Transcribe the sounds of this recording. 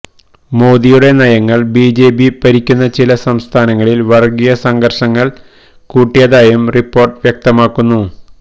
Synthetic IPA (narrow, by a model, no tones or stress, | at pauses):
mo̞ːðijuɽe̞nɐjɐŋːɐɭbiːd͡ʑe̞ːbipɐɾikʲːunːɐt͡ɕilɐsɐmst̪ʰaːnɐŋːɐɭilʋɐrɡijɐsɐŋɡɐrʂɐŋːɐɭ | kuːʈːijɐðaːjumripːo̞ːrʈʋjɐk̚t̪ɐmaːkːunːu